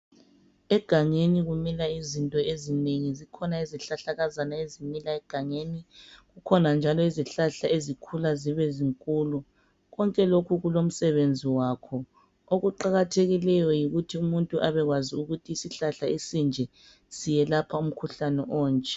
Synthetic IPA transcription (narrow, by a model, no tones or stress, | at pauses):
ɛɡ̥ʱaŋeniɣumilaizintʼɔezineŋizikʰɔnaiziɬaɬaɣazanaezimilaɛɡ̥ʱaŋeniɣukʰɔnand͡ʒʱalɔiziɬaɬaʔezikʰulaziβɛziŋkʼulu | ɣɔŋkʼɛlokʰuɣulom̩sɛβend͡zʱiwakʰɔ | oɣuǃaɣatʰeɣilɛjɔjiɣutʰiumuntʼuʔaβɛɣwaziuɣutʰiːsiɬaɬaesind͡ʒʱɛ | z̥ijɛlapʰaum̩kʰuɬanɛʔɔːnkʼɛ̥